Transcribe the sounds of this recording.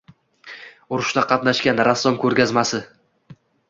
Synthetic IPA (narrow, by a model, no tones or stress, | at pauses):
ʊɾʊʃd̪aqʰɑt̪naʃkʲanɾasːɒmkʲʰɵɾɡʲazmasɪ